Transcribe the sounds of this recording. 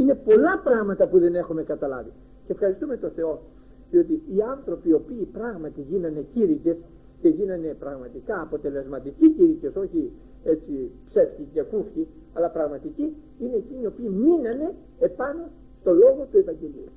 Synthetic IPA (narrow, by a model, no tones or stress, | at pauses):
ine̞po̞lɐpɾɐɣmɐt̪ɐpuðe̞ne̞xume̞kɐt̪ɐlɐ̰vi | ceefxɐɾist̪ume̞t̪o̞θe̞o̞ | ðio̞t̪iiɐnθɾo̞pio̞piːpɾɐɣmɐt̪iʝinɐne̞ciɾice̞s | ce̞ʝinɐne̞pɾɐɣmɐt̪ikɐːpo̞t̪e̞le̞zmɐt̪iciciɾiceso̞çi | e̞t͡sipse̞fcicekufçi | ɐlɐpɾɐɣmɐt̪ici | ine̞ːcinio̞piːminɐne̞ː | pɐno̞ | st̪o̞lo̞ɣo̞t̪uevɐɲɟe̞liu